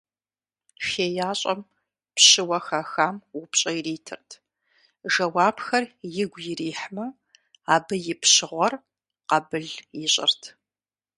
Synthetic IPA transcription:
xeːjaːɕʼɐm | pɕɨwɐxɐxaːmʊpɕʼɐjriːtʰɨrtʰ | ʒɐwaːbxɐrjɪɡʷjɪriːħmɐ | aːbɨjɪpɕɪʁʷɔr | qɐbɨɮjɪɕʼɪ̰rtʰ

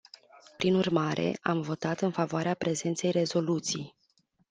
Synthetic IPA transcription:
pɾinurmaɾʔe̞̰a̰mvo̞t̪at̪ɨnfavoaɾeapɾe̞ze̞nt̪se̞jre̞zo̞lut̪sij

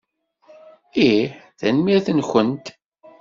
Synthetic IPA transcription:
iħθænmiθənçənt̪

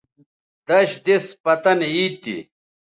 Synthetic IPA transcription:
d̪̥ɐɕd̪espɐt̪ɐniːt̪ḭ

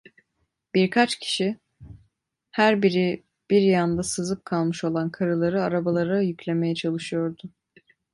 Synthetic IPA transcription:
b̥iɾkʰat͡ʃcʰi̥ʃi | hæɾbiɾi | b̥iɾjand̪asɯzɯp̚kʰalˠmɯʃo̞lˠankʰaɾɯlˠaɾɯaɾabalˠaɾajycʰlʲe̞me̞jɛt͡ʃʰalˠɯʃɯjo̞ɾd̪ʊ

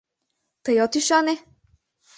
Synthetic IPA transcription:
t̪ɐjɔt̪iʃanɛ

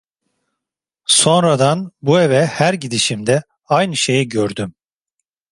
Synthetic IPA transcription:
so̞nɾad̪anbue̞vɛhæɾɟid̪iʃimd̪ɛ | ajnɯʃe̞jiɟøɾd̪ym

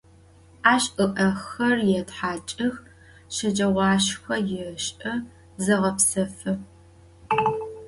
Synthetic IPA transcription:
aːɕʔɨʔɐxɐrjɛtħaːt͡ʃʼɨx | ʃɐd͡ʒʼɐʁʷɑːʃxʷɐjɪɕʼɨ | zɐʁɐpsɐfɨ

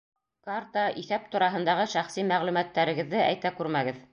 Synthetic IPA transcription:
kart̪ɑʔiθæp̚t̪ŏɾɑɦɤ̆nd̪ɑʁɤʃæχsimæʁlʉmæt̪ːæɾɘ̆ɡɘ̆ðːɘæ̰jt̪ækʉɾmæɡɘð

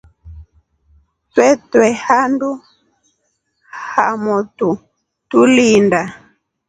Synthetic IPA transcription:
twɛtwɛhandu | hamutu | tulinda

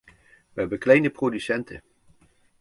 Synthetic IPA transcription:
ʋəɦɛbənklɛjnəprodysɛntʰə̰

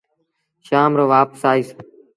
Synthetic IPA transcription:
ʃaːmɾoːʋaːpsaːiːs

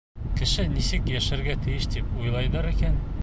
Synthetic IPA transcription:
kɘ̆ʃɘnisɘkjæʃæɾɡæt̪ɘ̆jɘʃt̪ipujlˠɑjd̪ɤɾikæn

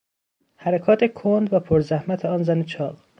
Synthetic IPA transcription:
hæɾækʰɒːt̪ʰekʰond̪væpʰoɾzæhmæt̪ʰeɒːnzænet͡ʃʰɒːl

